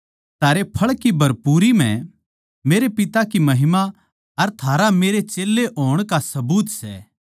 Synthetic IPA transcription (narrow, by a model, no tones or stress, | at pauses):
t̪ʰaːɾepʰɐɭkibʱɐɾpuːɾim̤ɛ̰̃ | meːɾepɪt̪akimɐɦɪma | ɐɾt̪ʰaːɾameːɾet͡ʃeːlːeʔoːɽ̃kasɐbuːt̪sɛ̰ː